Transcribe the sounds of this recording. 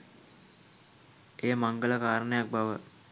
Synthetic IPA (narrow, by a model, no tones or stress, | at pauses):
eːmaŋɡələkaːɾənejak̚baʋə